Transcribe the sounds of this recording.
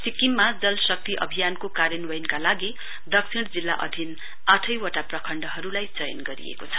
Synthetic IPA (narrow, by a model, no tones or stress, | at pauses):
sikimːad͡zʌlsʌk̚t̪iʔʌ̰bʱijankokaɾjʌnwʌjnkalaɡi | d̪ʌksʰiɽd͡zilːaʔʌ̰d̪ʱin | aʈʰʌjwʌʈaprʌkʰʌɳɖʌɦʌɾulajt͡sʌjʌ̰nɡʌɾḭḛkot͡sʰʌ̥